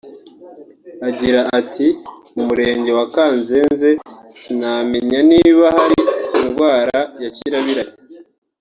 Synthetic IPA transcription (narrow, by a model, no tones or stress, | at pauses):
aɟiɾaʔːtʰi | umuɾe̞ːɲɟe̞wakaːnzenze̞sinameɲaniβahaɾiinɡwaːɾajaciɾaβiɾaj